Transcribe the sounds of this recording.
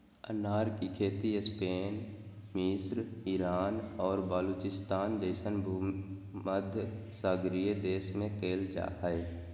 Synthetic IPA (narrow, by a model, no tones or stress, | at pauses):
ə̰naːɾkikʰeːt̪iespeːn | mɪsɾɪɾaːnɔːɾbəluːt͡ʃɪst̪aːnd̪eːʃənbʱu | məd̪ʱjsəɡɾiəd̪eːʃmẽkeːld͡ʒa̰ːɦɛ